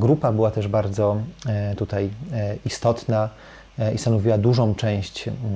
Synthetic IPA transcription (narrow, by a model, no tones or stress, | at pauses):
ɡɾupabɘwat̪ɛʐbaɾd̪zɔt̪ut̪ajist̪ɔt̪na | ist̪anɔvʲiwad̪uʐɔ̃w̃t͡ʂɛ̃w̃ɕt͡ɕ